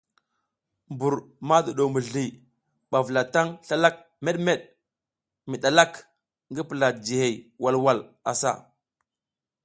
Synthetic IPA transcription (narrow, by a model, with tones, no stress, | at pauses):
mbu˨ɾ | ma˦du˨ɗo˨mə˨ɮi˨ | ɓa˨və˨la˨ta˦ŋɬa˦la˦k̚ | me˦ɗme˦ɗ | mi˨ɗa˨la˦k | ŋɡə˦pə˨la˨d͡ʒi˨he˨jwa˦lwa˦˨la̰˨sa̰˦˨